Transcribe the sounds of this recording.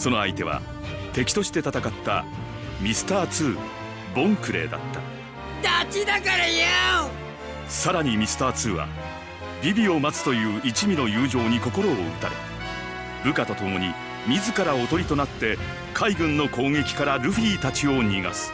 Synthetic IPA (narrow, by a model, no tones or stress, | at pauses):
so̞no̞ajt̪e̞βa̰ | t̪e̞kʲi̥t̪o̞ɕi̥t̪e̞t̪at̪akat̪ːa̰ | mʲisɨ̥t̪aːt͡sɨː | bõ̞ŋkɯ̟ɾe̞̰ːd̪a̰t̪ːa̰ | d̪̥at͡ɕid̪akaɾaja | saɾaɲ̟imʲisɨ̥t̪aːt͡sɨːβa̰ | bʲibʲio̞mat͡sɨ̥t̪o̞jɯ̟ːit͡ɕimʲino̞jɯːʑo̞ːɲ̟iko̞ko̞ɾo̞ːɯt̪aɾḛ | bɯ̟kat̪o̞t̪o̞mo̞ɲ̟i | mʲizɨkaɾao̞t̪o̞ɾʲit̪o̞nat̪ːe̞ | kʰaiɡɯ̟̃nːo̞ko̞ːŋe̞kʲi̥kaɾaɾɯ̟ɸiːt̪at͡ɕio̞ːɲiɡa̰sɨ̥